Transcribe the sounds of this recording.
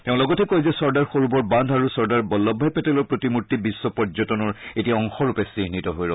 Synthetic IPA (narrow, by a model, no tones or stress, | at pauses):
teʊ̃lɔɡɔtɛkojzɛsɔɹdaɹxoɹubɔɹbãndʱaɹusɔɹdaɹbɔlːɔbʱːajpɛtɛlɔɹpɹotimutːibisːɔpɔɹzɔtɔnɔɹetiaɔŋxɔɹupɛsiɦnitɔɦojɹɔ